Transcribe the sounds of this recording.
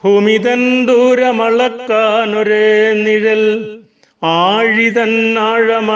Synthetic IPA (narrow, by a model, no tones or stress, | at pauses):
bʱuːmiðɐnd̪uːɾɐmɐɭɐkːaːnɔɾeːniɻɐl | aːɻiðɐnːaːɻɐmɐ